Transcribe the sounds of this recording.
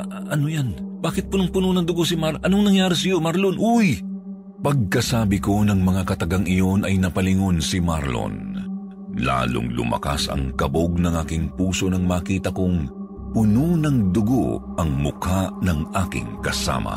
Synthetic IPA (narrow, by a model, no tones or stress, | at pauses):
ʔɐnojanbaːkɪt̪̚pʊnoŋpʊnonɐŋd̪ʊɡosimaɾʔɐnoŋnɐŋjaːɾɪsɐjo̞maɾlonʔuj | pɐɡ̚kɐsaːbɪko̞nɐŋmɐŋakɐt̪ɐɡaŋɪjo̞nɐjnɐpɐlɪŋo̞nsimaɾlo̰n | la̰ːlʊ̰ŋlʊ̰mɐ̰ka̰sɐ̰ŋkɐboɡ̚nɐŋʔaːkɪŋpuːso̞nɐŋmaːkiːt̪ɐkʊŋ | pʊnonɐŋd̪ʊɡo̰ʔɐŋmʊkʰaʔnɐŋʔaːkɪ̰ŋkɐsa̰ːmɐ̰